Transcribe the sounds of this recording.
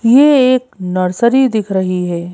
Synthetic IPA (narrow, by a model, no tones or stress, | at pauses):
jeeːk̚nɐɾsəɾid̪ɪkʰɾɐɦiɦɛː